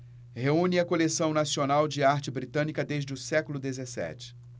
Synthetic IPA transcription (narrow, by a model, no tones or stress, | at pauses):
heũnɪɐkolesɐ̃w̃nasionawd͡ʒɪaɾt͡ʃɪbɾit̪ɐ̃nikɐd̪eʒd͡ʒɪʊsɛkʊlʊd̪ezesɛ̰t͡ʃɪ̥